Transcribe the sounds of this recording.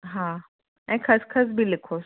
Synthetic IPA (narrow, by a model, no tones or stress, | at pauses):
ɦã | ãkʰəskʰəs̬bʱiːlekʰos